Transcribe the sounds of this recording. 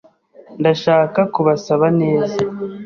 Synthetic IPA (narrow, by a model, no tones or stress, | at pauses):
ndaʃaːkakuβasaβane̞ːza